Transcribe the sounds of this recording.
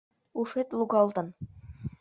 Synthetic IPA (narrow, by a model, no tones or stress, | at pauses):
uʂet̪lˠuɡɑlˠt̪ɤ̆n